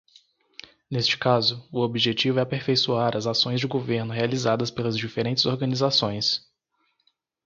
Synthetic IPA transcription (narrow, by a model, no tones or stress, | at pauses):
nest͡ʃɪ̥kazʊʊobiʒet͡ʃivʊɛɐpeɾfejsuaɾɐzasõj̃zd͡ʒɪɡoveɾnʊɦealizad̪ɐspelɐzd͡ʒifeɾẽnt͡ʃɪzoɾɡɐ̃nizasõj̃s